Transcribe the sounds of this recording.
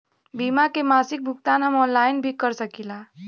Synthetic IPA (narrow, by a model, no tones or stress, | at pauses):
biːmakemaːsɪk̚bʱʊkt̪aːnɦəmɔːnlaːɪnbʱikəɾsəkilaː